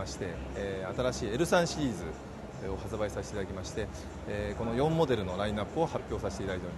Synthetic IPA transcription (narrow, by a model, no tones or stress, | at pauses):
aɕi̥t̪e̞at̪aɾaɕiːe̞ɾɯ̟sãɰ̃ɕiɾʲiːzɨ | o̞hat͡sɨbaisaɕi̥t̪eit̪aakʲimaɕi̥t̪e̞ | ko̞no̞jõ̞mːo̞d̪e̞ɾɯ̟no̞ɾaĩnapːɯo̞hapʲjo̞ːsaɕi̥t̪eit̪ad̪ait̪oɾim